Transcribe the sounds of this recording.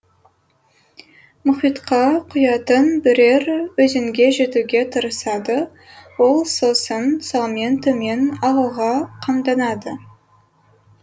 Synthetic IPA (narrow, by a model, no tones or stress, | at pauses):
mʊχijt̪qɑqʰʊjɑt̪ənbɪɾe̞ɾwɵzɪŋɡʲe̞ʒe̞t̪uɡʲe̞t̪ʰəɾəsɑd̪ə | wo̞lˠso̞sənsɑlˠment̪ome̞nɑʁəlˠʁɑqʰɑmd̪ɑnɑd̪ə